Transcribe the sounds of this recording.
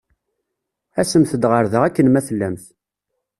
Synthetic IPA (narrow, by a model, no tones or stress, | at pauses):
æsəmθəd̪ʁəɾðəʁækːənmæθəlːæmθ